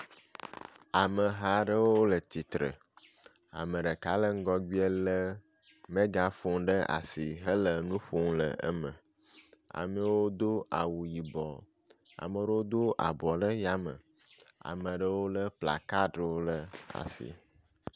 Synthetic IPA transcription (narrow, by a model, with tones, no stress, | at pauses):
a˨mə˨ɦa˦ɖə˦wo˦o˦lə˨t̪i˨t̪ɾə̰˨ | a̰˨mə̃˨ɖə˨ka˦lə˦ŋ̩˦ɡɔ˦ɡi˦ɛ˦lə˦ | mẽ˦ɡa˨fo˦ŋɖə˦ʔa̰˨si˨ɦə˦lə˨nũ˦ɸo˦ŋlə̰˨ə̰˦mə̰̃˨ | a̰˨mɛ̃˦wo˦d̪o˦a̰˨wu˨ji˨bɔ˨ | a̰˨mə˨ɖə˦wo˦d̪o˦ʔa̰˨bɔ˨ɖə˦ja˦mə̰̃˨ | a̰˨mə̃˨ɖə˦wo˦lə˦pla̰˨ka˦ɖə˦wo˦lə˦a̰˨sḭ˨